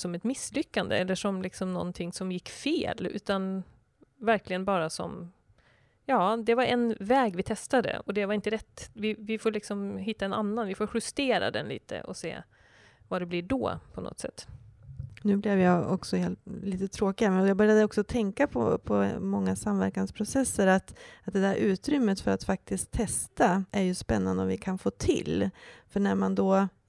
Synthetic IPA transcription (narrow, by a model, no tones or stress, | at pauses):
sɔmɛt̪mɪslʏkːand̪ə̰ɛlːəʂɔmlɪksɔmnɔ̰nt̪ʰɪŋsɔmjɪkːfeːlʉ̟̰ːt̪an | væɾklɪɡənbɑːɾasɔ̰m | jɑːd̪ɛvaɾɛnvɛːɡvɪt̪ʰɛst̪ad̪ə̰ɔd̪ɛvaɾɪnt̪əɾɛt̪ːvɪvɪfoːɾlɪksɔmɦɪt̪ːaɛna̰nːanvɪfoːɾɧɵst̪eːɾa̰d̪ɛ̰nlḭːt̪ʰə̰ʔɔ̰sḛː | vad̪ɛblɪɖɔ̰ːpʰɔnɔ̰t̪sɛ̰t̪ː | nʉ̟ːblɪvjaɔ̰ksɔheːlt̪liːt̪ət̪ʰɾoːkɪɡamɛnɔjaɡbœɾjad̪əɔksɔt̪ʰɛŋkapʰɔ̰pʰɔmɔŋːasamvæɾkanspʰɾʊsɛsːəɾat̪at̪̚d̪ɛd̪æɾʔʉ̟ːt̪ɾʏmːət̪fœɾat̪fak̚t̪ɪskt̪ʰːɛst̪aʔæɾjɵspɛnːand̪əɔmvɪkʰanfoːt̪ʰɪ̰lːfœɳæɾmand̪ɔ